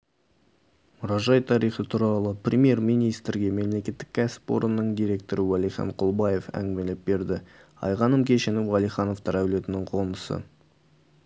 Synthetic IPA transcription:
mʊɾɑʒɑjt̪ʰɑɾijχət̪ʰuɾɑlˠəprʲemje̞ɾmijnijst̪ɾɡʲe̞me̞mle̞kʲe̞t̪ːɪk̚ʲkʲʰæsɪ̥pwo̰ɾənənəɴd̪iɾʲe̞k̚t̪o̞ɾəwɑlˠijχɑ̰ɴqʰʊlˠbɑje̞fæ̰ŋɡmelɪp̚be̞ɾd̪ɪ | ɑ̰jʁɑnəmkʲʰe̞ʃenɪwʁɑlˠijχɑno̞ft̪ɑɾæwle̞t̪ɪnɪɴqʰo̞nəsə̰

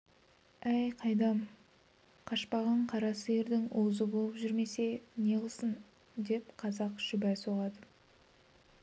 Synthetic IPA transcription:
æjqʰɑjd̪ɑm | qʰɑʃpɑʁɑɴqʰɑɾɑsəje̞ɾd̪ɪŋowzəbolˠəpʒʏɾme̞se̞ne̞ʁəlˠsən | d̪e̞pqʰɑzɑqʒ̥ʏbæjsoʁɑd̪ə

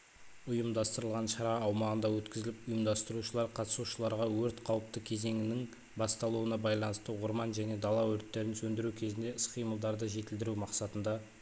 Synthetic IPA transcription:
ʊjəmd̪ɑst̪əɾəlˠʁɑnʃɑɾɑːwmɑʁənd̪ɑwɵt̪kʲɪzɪlɪpʊjəmd̪ɑst̪əɾuʃəlˠɑɾqʰɑt̪ə̥suʃəlˠɑɾʁɑwɵɾt̪qʰɑwəp̚t̪əkʲʰe̞ze̞ŋɪnɪŋ | bɑst̪ɑlˠuənɑbɑjlˠɑnəst̪əwʊɾmɑnʒæne̞d̪ɑlˠɑwɵɾt̪ːe̞ɾɪnsɵnd̪ɪɾukʲʰe̞zɪnd̪e̞ɪsqijməlˠd̪ɑɾd̪əʒe̞t̪ɪld̪ɪɾumɑqsɑt̪ənd̪ɑ

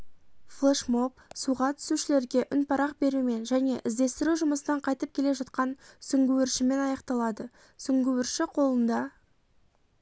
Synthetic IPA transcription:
flˠeʃmo̞p̚suʁɑt̪ʰʏ̥suʃɪle̞ɾɡʲe̞ʔʏnpʰɑɾɑqbe̞ɾume̞nʒæne̞ʔɪzd̪e̞st̪ɪɾuʒʊməsənɑɴqʰɑjt̪əp̚kʲʰe̞le̞ʒɑt̪qɑnsʏŋɡʲɪwɪɾʃɪme̞nɑjɑqt̪ɑlˠɑd̪ə | sʏŋɡʲɪwɪɾʃɪqʰo̞lˠənd̪ɑ

